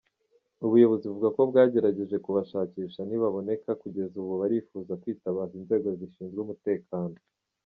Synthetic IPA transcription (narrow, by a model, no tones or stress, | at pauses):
uβujo̞βo̞ziuvuɡako̞bɡaːɟe̞ɾaɟe̞ʒe̞kuβaʃaːciːʃaniβaβo̞ne̞kakuɟe̞zuβuβaɾifuːzakwiːtaβazinze̞ːɡo̞ziʃiːnzɡeumute̞ːkʰaːno